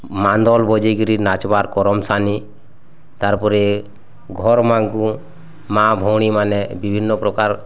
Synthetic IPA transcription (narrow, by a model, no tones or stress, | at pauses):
mand̪ɔlbɔd͡ʒejɡɾinat͡ʃbaɾkɔɾɔmsani | t̪aɾpɔɾɛ | ɡʱɔɾmaŋku | mãbʱɔwɽ̃imanɛbibʱinːɔpɾɔkaɾ